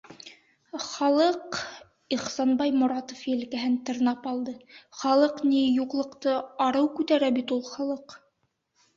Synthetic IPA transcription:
χɑlˠɤq | iχsɑnbɑjmʊɾɑt̪ofjɘ̆lkæɦɘnt̪ɤ̆ɾnɑpɑlˠd̪ɤχɑlˠɤqnijuqlˠɤ̆qt̪ɤɑɾɤwkʉt̪æɾæbit̪ulˠχɑlˠɤq

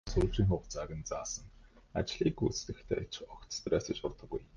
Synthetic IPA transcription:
sʊːɮt͡ɕiːŋχʊːχt͡saɣʲə̆nt͡saːsə̆ŋa̰t͡ɕɮ̥iːkut͡st̪ɘ̆xt̪ʰḛːt͡ɕɔkt̪st̪reːsə̆t͡ɕʊrt̪ə̆ɡuj

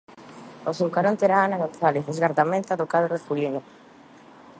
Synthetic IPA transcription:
osuŋkaɾont̪eɾaːnaɣonθaleθezɣaɾðamẽnt̪aðokaðoɾefulino

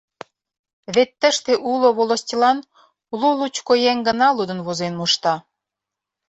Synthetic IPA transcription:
βet̪ːəʃt̪eʔuloβolosʲtʲilɑn | ululut͡ɕkojæŋɡə̆nɑlud̪ə̆nβozenmuʃt̪ɑ

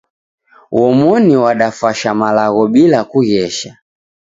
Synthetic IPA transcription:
wɔmɔniwaɗafaʃamalaɣɔɓilakuɣɛʃa

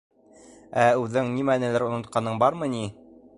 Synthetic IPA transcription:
æʉðɘŋnimænɘ̆læɾŏnŏt̪̚qɑnɤɴbɑɾmɤni

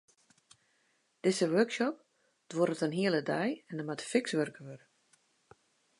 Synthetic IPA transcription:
d̥ɪzəʋørkʃɔp̚ | d̥woɾətənɦiəlˠədɛjɛnəmatə̥fɪksʋørkəʋør

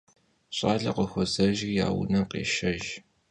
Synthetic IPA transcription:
ɕʼaːɮɐqəxʷɔzɐʒja̰ːwʊ̰nɐqḛːʃɐʒ

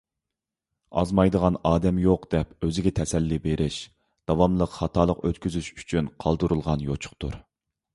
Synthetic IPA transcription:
ɑ̰zmɑjd̪əʁɑnɑːd̪ɛmjoqd̪ɛpøzɪɡʲɛt̪ʰɛsɛlːibeɾʔɪʃ | d̪̥ɑwɑmlˠəqχɑt̪ʰɑːlˠəqøt̪kʲyzyʃy̥t͡ʃʰynqʰɑlˠd̪uɾulˠʁɑnjot͡ʃʰʊ̥χt̪ʰṵɾ

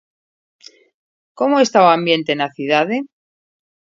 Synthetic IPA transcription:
ko̞moest̪aoambje̞nt̪enaθjuðaðe

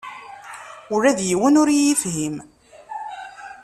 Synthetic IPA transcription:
ʊɾæðjiwənʊɾijifɦim

